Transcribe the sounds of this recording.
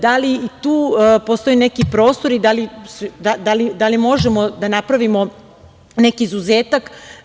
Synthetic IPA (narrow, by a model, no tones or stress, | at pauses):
d̪aliit̪uːpo̞st̪o̞jene̞kipɾo̞ːst̪oɾid̪alisd̪ad̪alid̪alimo̞ʒemo̞d̪anapɾaʋimo̞ | ne̞kiːzuzeːt̪ak